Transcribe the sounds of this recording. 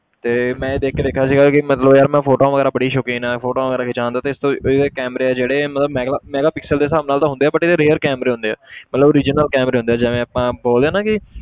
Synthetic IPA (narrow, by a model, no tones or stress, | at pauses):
t̪eːmɛ̃ːeːd̪eːkʰːeːd̪eːkʰːjaːsiːɡaːkɪmət̪ləbjəɾmɛ̃ːpʰoːʈoːʋəɡɛːɾaːbəɽiːʃoːkiːnɛːfʰoːʈoːʋəɡɛːɾaːkɪt͡ʃãːnd̪aːt̪eːɪst̪õːɪd̪eːkɛːməɾeːɛːd͡ʒeːɽeːmət̪ləbmɛːɡamɛːɡaːpɪksəld̪eːsaːʋnaːlt̪ãɦʊ̃nd̪eːaːbəʈɪd̪eːɾeːəɾkɛːməɾeːɦʊ̃nd̪eːɛ̰ːmət̪ləbɾiːd͡ʒnəlkɛːmɾeːɦʊ̃nd̪eːd͡ʒɛːʋẽːaːpãːboːld̪eaːnãːkɪ